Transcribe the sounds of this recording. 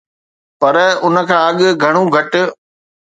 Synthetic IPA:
pɐɾʊnə̆kʰãːɐɠɡʱɐɽ̃ũɡʱɐʈʊ̆

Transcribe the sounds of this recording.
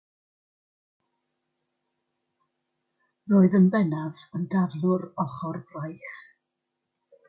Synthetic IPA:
roːɨðənbɛnavəndavlˠʊɾɔχɔrbrajχ

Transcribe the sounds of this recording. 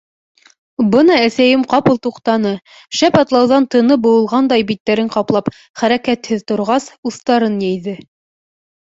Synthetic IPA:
bɤnɑæsæjɘmqɑpɤlˠt̪uqt̪ɑnɤ | ʃæpɑt̪lˠɑwðɑnt̪ɤ̆nɤbŭwɤ̆lˠʁɑnd̪ɑjbit̪ːæɾɘɴqɑplˠɑp | χæɾækæt̪hɘðt̪ŏɾʁɑsuθt̪ɑɾɤnjæjðɘ

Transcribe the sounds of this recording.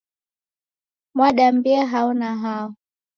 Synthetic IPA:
mwaɗambiaɦaɔnaɦaɔ

